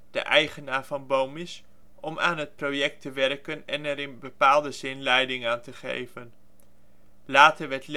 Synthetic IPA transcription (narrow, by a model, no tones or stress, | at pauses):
d̥ə̰ʔɛjχənaːɹvɑnbowmɪs | ʔɔmaːnɦət̚prowjɛk̚təʋɛɹkənɛnɛɾɪnbəpaːlˠdəzɪnlɛjdɪŋaːntəχḛjvən | laːtəɹʋɛɹt